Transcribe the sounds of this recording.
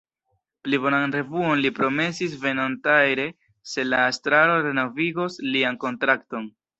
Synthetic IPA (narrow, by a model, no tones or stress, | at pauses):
plibo̞nanɾe̞vuo̞nlipɾo̞me̞sis̬ve̞nontajɾe̞ | se̞laːstɾaɾo̞ɾe̞no̞viɡo̞slianko̞ntɾakto̞n